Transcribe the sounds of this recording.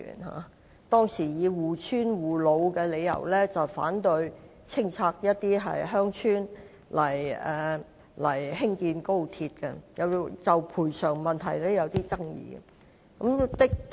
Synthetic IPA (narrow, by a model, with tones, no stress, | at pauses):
y̰ː˨˩nɦa̰ː˨˧ | t̪ɔː˥ŋsiː˨˩jiː˨˧wuː˨t͡ʃʰyː˥nwuː˨˩lo˨˧wkɛː˧le˨˧jɐ̰˨˩wlɛː˥t͡sɐ˨wfa̰ː˨˥nt̪ɵ˧ɥ | t͡sʰɪ˥ŋt͡sʰaː˧k̚jɐ˥t̚t̪iː˥ɦɐ̰˨jɦœː˥ŋt͡ʃʰyː˥n | lɐ˨˩jɛː˨˩ | lɐ˨˩jɦɪ˥ŋkiː˧nko˥wt̪ʰiː˧t̚kɛ˧jɐ˨˧wt͡sɐ˨wpʰuː˨˩jsœː˨˩ŋmɐ˨nt̪ʰɐ˨˩jlɛː˥jɐ˨˧wt̪iː˥t͡sɐ˥ŋjḭː˧˩ɛ̰˧ | kɐ˨˧˥mt̪ɪ˥k̪̚